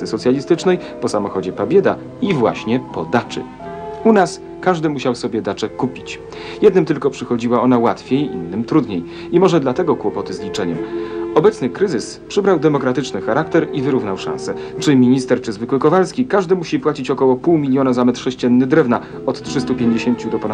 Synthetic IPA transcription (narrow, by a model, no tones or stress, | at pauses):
ɘsɔt̪sʲjalʲist̪ɘt͡ʂnɛj | pɔsamɔxɔd͡ʑɛpabʲjɛd̪a̰ | ivwa̰ɕɲɛpɔd̪at͡ʂɘ̰ | unas | kaʐd̪ɘmuɕawsɔbʲjɛd̪at͡ʂɛkupʲit͡ɕ | jɛd̪nɘmt̪ɘlkɔpʂɘxɔd͡ʑiwaɔnawat̪fʲjejʔḭnːɘmt̪ɾud̪ɲej | imɔʐɛd̪lat̪ɛɡɔkwɔpɔt̪ɘzlʲit͡ʂɛɲɛmɔbɛt̪snɘkɾɘzɘspʂɘbɾawd̪ɛmɔkɾat̪ɘt͡ʂnɘxaɾak̚t̪ɛɾivɘɾuvnawʂã̰ñsɛt͡ʂɘmʲiɲist̪ɛɾt͡ʂɘzvɘkwɘkɔvalskʲikaʐd̪ɘmuɕipwat͡ɕit͡ɕɔkɔwɔpuwmʲilʲjɔnazamɛt̪ʂɛɕt͡ɕɛnːɘd̪ɾɛvna | ɔt̪tʂɘst̪upʲjeɲd͡ʑeɕeɲt͡ɕud̪ɔpɔna